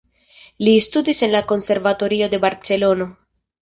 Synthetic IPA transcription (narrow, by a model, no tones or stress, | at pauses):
listudise̞nlako̞nse̞ɾvato̞ɾio̞de̞baɾt͡se̞lo̞no